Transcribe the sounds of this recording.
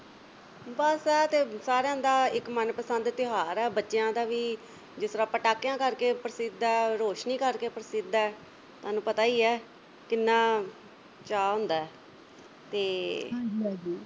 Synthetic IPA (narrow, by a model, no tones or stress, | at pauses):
bəsɛːt̪eːsaːɾejãːd̪aːɪkmənpəsənd̪t̪ɪɦaːɾɛːbətːʃɪjãːd̪aːʋiː | d͡ʒɪsɾaːpəʈaːkːjãːkəɾkeːpəɾəsɪd̪aɛɾoːʃniːkəɾkeːpəɾsɪd̪aɛː | t̪oʊaːnũːpət̪aːiːɛː | kɪnːãː | t͡ʃaːɦʊ̃ːnd̪aːɛː | t̪eːɦːd͡ʒiãd͡ʒiː